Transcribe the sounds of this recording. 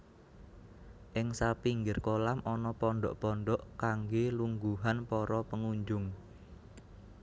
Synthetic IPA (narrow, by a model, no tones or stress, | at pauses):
ʔɪŋsapiŋɡɪrkolamʔɔnɔpɔɳɖɔ̰ʔpɔnɖɔʔkaŋɡeluŋɡuɦanpɔɾɔpəŋuɲd͡ʒʊŋ